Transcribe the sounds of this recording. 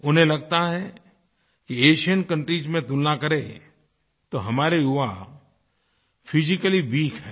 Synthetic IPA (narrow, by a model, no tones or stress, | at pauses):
ʊnɦẽlɐɡ̚t̪aɦɛ | kieːʃijənkɐ̃ɳʈɾiːd͡ʒmẽt̪ulnakɐɾe | t̪oɦɐmaːɾeʊʋa | fʰɪd͡ʒɪkəliʋiːkʰɦɛː